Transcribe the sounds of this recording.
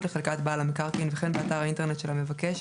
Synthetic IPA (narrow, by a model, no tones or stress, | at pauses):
leχelkat̪baːlamikaʁkinveχenbeat̪aʁaint̪e̞net̪ʃelhame̞vakeʃ